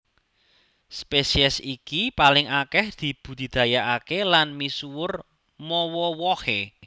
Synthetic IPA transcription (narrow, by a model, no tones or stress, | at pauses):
spesiɛsikipalɪŋakɛhd̪̥i̤b̥ṳd̪̥i̤d̪̥ä̤jaʔakelanmisuwʊr | mɔwɔwɔhe